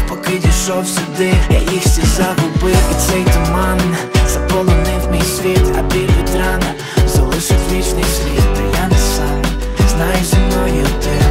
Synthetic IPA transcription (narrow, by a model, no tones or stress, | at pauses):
pɔkɪd̪ʲiʃɔwsʲʊd̪ɪja̰ʔixʲɛzaɦʊbɪwisɛjt̪ɔmamnz̥ɐpɔlˠɔnɪwmʲijsʲʋʲit̪ɐ̰bʲiɾʋʲid̪ɾanɐ | zɐ̰lˠɪʃɪfʲit͡ʃnɪjsʲʋʲit̪t̪ɐjanɐsam | znajɪzɐmnɔjʊd̪ɪ